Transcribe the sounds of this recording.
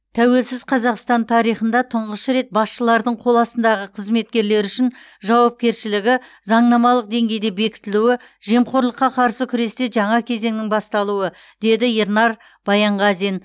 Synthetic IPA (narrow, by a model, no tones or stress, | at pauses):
t̪ʰæwe̞lsɪzqʰɑzɑqst̪ɑnt̪ʰɑɾijχənd̪ɑt̪ʰʊɴʁəʃɾe̞t̪̚bɑsʃəlˠɑɾd̪əɴqʰo̞lˠɑsənd̪ɑʁəqʰəzme̞t̪̚kʲe̞ɾle̞ɾʏʃɪn | ʒɑwɑp̚kʲe̞ɾʃɪlɪɡʲɪzɑɴnɑmɑlˠəq̚d̪e̞ŋɡʲe̞jd̪e̞be̞kʲɪ̥t̪ɪluɪ | ʒe̞mqʰo̞ɾlˠəqːɑqʰɑɾsəkʲʰʏɾe̞st̪e̞ʒɑɴɑkʲʰe̞ze̞ŋnɪŋbɑst̪ɑlˠuə | d̪̥e̞d̪ɪeɾnɑɾ | b̥ɑjɑɴʁɑzen